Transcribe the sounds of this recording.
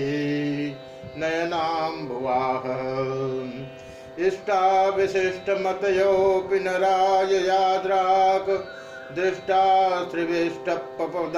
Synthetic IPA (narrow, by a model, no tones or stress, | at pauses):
i | nɐjɐnaːmbʱuʋaːɦɐ | ɪʂʈʰaːʋiʃɪʂʈʰɐmɐt̪ɐjoːpinɐɾaːjɐjaːd̪ɾaːkɐ | d̪ɾɪʂʈaːsɾiʋiʂʈʰɐpːɐpɐd̪